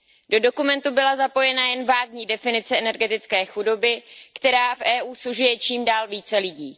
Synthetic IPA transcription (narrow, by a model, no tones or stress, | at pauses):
dodo̞kumɛnt̪ubɪlazapo̞jɛnajɛnvaːɡ̚ɲiːdɛfɪnɪt͡sɛɛnɛɾɡɛt̪ɪt͡skɛːxudo̞bɪkt̪ɛɾaːfʔɛːʔuːsuʒujɛt͡ʃiːmdaːlviːt͡sɛlɪɟiː